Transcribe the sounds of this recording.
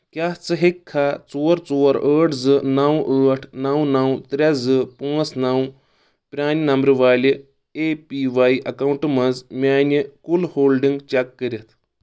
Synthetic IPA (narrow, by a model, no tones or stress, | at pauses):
kʲjaɦt͡sɨɦekʰːat͡suɾt͡sɔɾəːʈʰd͡zɨnawʔəːʈʰnawnawt̪ɾʲad͡zɨpuəsnaw | pɾʲaːninɐmbɾɨʋaːli | epiʋaiʔɐkawuɳʈmɐd͡zmʲaːnikulhoːlɖiŋɡt͡ɕakːəɾʲet̪ʰ